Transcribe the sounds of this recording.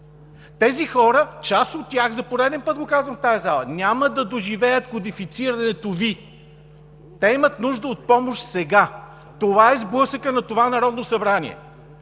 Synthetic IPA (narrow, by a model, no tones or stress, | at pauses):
t̪ɛzixɔɾət͡ʃasot̪̚ːʲaxzɐpoɾɛd̪ɛnpɤt̪̚ɡokazvəmft̪ajɐzalˠənʲaməd̪ɐd̪oʒivɛjət̪kod̪ifit̪siɾɐnɛt̪ovi | t̪ɛimət̪nuʒd̪əot̪̚pɔmoʃt̪sɛɡa | t̪ovaɛzblˠɤsəkənɐt̪ovanɐɾɔd̪nosɐbɾanḭɛ̰